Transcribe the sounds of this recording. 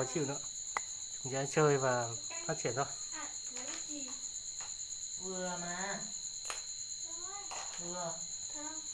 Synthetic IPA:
ɔ˨˦t͡ɕḭ˧˨wnɨ̰˧˦ə | t͡ɕŋ͡mza̰˧˥t͡ɕəː˨˧˩jvaː˨˩ | faː˦˥t̚t͡ɕʰi˧˩nt̪ʰo˧j | vɨ˨˩əmaː˨˧˩ | u˧˩ə

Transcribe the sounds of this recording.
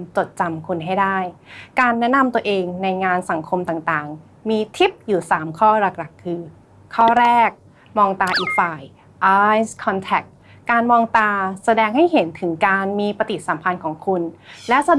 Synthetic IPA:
t͡ɕo˨˩t̪̚t͡ɕa˧mkʰu˧nɦa˥˩jdaː˥˩jkaː˧nːɛ˦˥na˧mt̪u˧ɐʔeː˧ŋna˧jŋaː˧nsa˨˩˦ŋkʰo˧mt̪aː˨˩ŋt̪aː˨˩ŋ | miː˧t̪ʰi˦˥p̚juː˨˩saː˩˦mkʰɔː˥˩ɾa˧k̚ɾa˨˩kʰːɯː˧ | kʰɔː˥˩ɾɛː˥˩k̚ | mɔː˧ŋt̪aː˧ʔiː˨˩k̚faː˨˩j | ʔaː˧˥jskʰɔː˧nt̪ʰɛ˨˩k̚ː | aː˧nmɔː˧ŋt̪aː˧sa˧dɛː˧ŋha˥˩jɦe˩˦nt̪ʰɯ˩˦ŋkaː˧nmiː˧pa˧t̪i˨˩t̪̚sa˩˦mpʰa˧nkʰɔː˨˩˦ŋkʰu˧nlɛ˦˥sa˧

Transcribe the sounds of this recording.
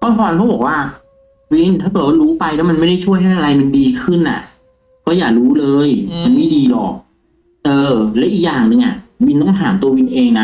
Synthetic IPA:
kɔː˥˩ɔː˧n˧kʰɔ˦˥˩bɔː˨˩k̚waː˥˩ | wi˧nt̪ʰaː˥˩˨wa˥˩ɾuː˦˥pa˧jlɛ˦˥ma˧nma˥˩jda˥˩jt͡ɕʰu˥˩əjɦa˥˩jʔa˧a˧jma˧ndiː˧kʰɯ˥˩nʔa̰˨˩ʔ | kɔː˥˩jaː˨˩k̚ɾuː˦˥lɤː˧jma˧nma˥˩jdiː˧lɔ˨˩k̚ | ʔɤː˧˩lɛ˦˥ʔi˨˩jaː˨˩ŋnɯ˧ŋʔa˨˩wi˧nt̪ɔ˥˩ŋɦ̪ʰaː˩˦mt̪u˧ɐwi˧nʔeː˧ŋna˦˥

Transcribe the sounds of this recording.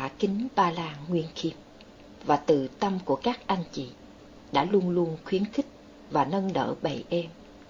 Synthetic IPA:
aː˧˩kï˨˦ŋ̟ɓaː˨˩laː˨˩ŋːwi˧ənki˧˩əm̚ | vaː˨˩t̪ɨ˨˩t̪ə˧mku˧˩əkaː˦˥k̚ʔa˧jŋ̟t͡ɕḭ˧˩˨ | ɗa̰ː˧˥lu˧ənlu˧ənxwi˨˦ənxï˦˥k̟̚ | vaː˨˩nə˧nɗə̰ː˧˨ɓə̰˧˩jʔɛ˧m

